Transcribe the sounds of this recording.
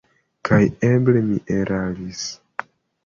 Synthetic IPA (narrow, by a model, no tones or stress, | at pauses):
kʰajeblemiʔeɾʔalis